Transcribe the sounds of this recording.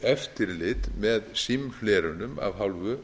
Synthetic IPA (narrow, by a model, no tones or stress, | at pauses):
ɛft̪ɪɾlɪt̪mɛðsimflɛːɾʏnʏma̰vɦawlvʏ